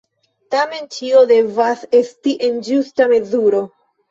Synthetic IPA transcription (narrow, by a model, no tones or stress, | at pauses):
tame̞nt͡ʃio̞de̞vase̞stiʔe̞nd͡ʒustame̞zuɾo̞